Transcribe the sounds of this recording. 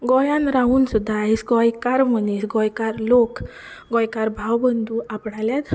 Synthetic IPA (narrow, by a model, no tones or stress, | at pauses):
ɡɔjãnɾaɦuːnsud̪ʱːaɦisɡɔjkaɾmənisɡɔjkaɾlok | ɡɔjkaɾbʱawbənd̪ʱuapɳaljat̪